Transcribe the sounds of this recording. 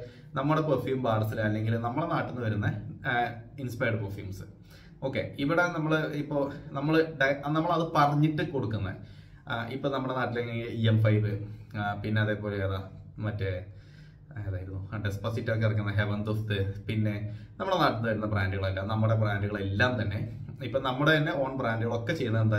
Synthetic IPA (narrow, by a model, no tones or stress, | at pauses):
nɐmːuɽeprofjuːmbaːɽɐsilɐlːe̞ŋɡilnɐmːɐɭenaːʈːunːuʋɐɾunːɐ | inspɐjɐɖɨprofjṵːmsɨ̥ | o̞ːkːe̞̰iʋiɽe̞nɐmːɐɭɨipːo̞ːnɐmːɐɭɨɖɐnɐmːɐɭɐðɨpɐrɐɲːiʈːɨko̞ɽukːunːɐ̰ | ipːoːnɐmːuɽe̞naːʈːileŋɡeŋɡiiemfɐjʋɨpinːe̞ɐðe̞ːpo̞ːleðamɐtːɨ | eðaːjiɾunːuɐɖespɐsitːok̬ːeɐrik̬ʲːunːɐɦeʋɐnd̪ust̪ɨpinːe̞nɐmːuɽenaːʈinːuʋɐɾunːɐbraːnduɣɐɭɐlːɐnɐmːuɽe̞braːnduɣɐɭelːaːmt̪ɐnːe̞ | ipːoːnɐmːuɽet̪ɐnːe̞o̞ːɳbraːndɨɣɐɭo̞kːe̞t͡ɕe̞jːunːɐðend̪a